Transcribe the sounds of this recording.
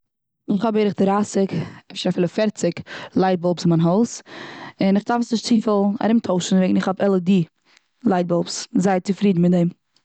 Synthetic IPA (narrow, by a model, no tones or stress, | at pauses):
ɪχhɔbeɾɪχdɪɾasɪkɛfʃɾafɛlˠəfɛɾt͡sɪklˠaɪt̚bɔlˠpsɪmanɦɔʊsɪnɪχdafsnɪʃtt͡siːfəlˠa̰ɾɪmtʰoʊʃn̩veːɡn̩ɪχhɔbɛlˠədi | lˠaɪd̚bɔlˠpszaɪt͡sɪfɾiːdn̩mɪt̚dɛm